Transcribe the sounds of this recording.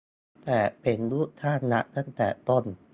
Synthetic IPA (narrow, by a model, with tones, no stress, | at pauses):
t̪ɛː˨˩pʰe˨˩˦nluː˥˩t̪ʰaː˥˩˨nːa˦˥ʔt̪ʰa˥˩ŋt̪ɛ̰ː˨˩t̪o˥˩n